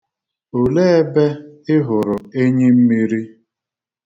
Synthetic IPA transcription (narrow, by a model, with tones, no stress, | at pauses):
o˨le˦e˦be˦ɪ˦ɦʊ˨ɾʊ˨e˦ɲe˦m̩˦mi˦ɾi˦